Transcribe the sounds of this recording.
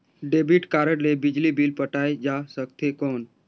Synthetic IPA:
ɖebiʈkaɾəɽlebid͡ʑlibiːlpəʈajd͡ʑasək̚t̪ʰekɔːn

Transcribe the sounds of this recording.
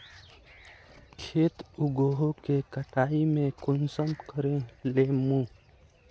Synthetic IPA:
kʰeːt̪ʊɡoːɦokekəʈaːimẽkʊnsəmkəɾẽleːmũ

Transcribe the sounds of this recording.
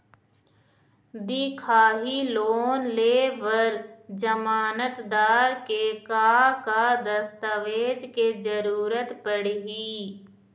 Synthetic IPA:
d̪ikʰaːɦiloːnleːʋəɾd͡ʒəmaːnət̪d̪aːɾkekaːkad̪əst̪əʋeːd͡ʒked͡ʒəɾuːɾət̪pəɽɦiː

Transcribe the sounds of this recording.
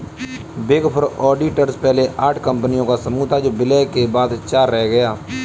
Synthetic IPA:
beːɡəpʰəɾɔːɖiːʈəɾspɛɦleʔaːʈʰkəmpənijõːkasəmuːt̪ʰaːd͡ʒoːbɪlɛːkebaːd̪t͡ʃaːɾːɛːɡəjaː

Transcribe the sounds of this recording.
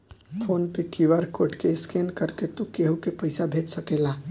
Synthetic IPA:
pʰoːnpekiʋəɾkoːʈkeɪskeːnkəɾket̪ukeɦukepɐɪsabʱeːd͡ʒsəkeːlaː

